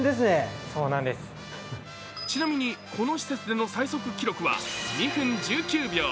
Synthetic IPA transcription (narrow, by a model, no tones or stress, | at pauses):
d̪esɨnesoːnãnd̪esɨ̥ | t͡ɕinamʲiɲ̟ikʰo̞no̞ɕi̥se̞t͡sɨd̪e̞no̞saiso̞kɯ̟kʲiɾo̞kɯ̟βa̰ɲiɸɯ̃ɲd͡ʑɨːkʲɨːbʲjo̞ː